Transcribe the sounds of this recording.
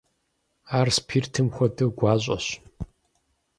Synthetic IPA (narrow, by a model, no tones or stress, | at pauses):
aːrspʰiːrtʰɨmxʷɔdɨɡʷaːɕ̬ʷʼɐ̰ɕ